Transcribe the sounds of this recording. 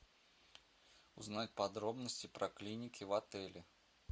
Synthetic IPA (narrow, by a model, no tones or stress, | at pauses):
ʊznatʲpɐd̪ɾo̞bnəsʲtʲɪpɾɐklʲinʲɪkʲɪvɐt̪ɛlʲɪ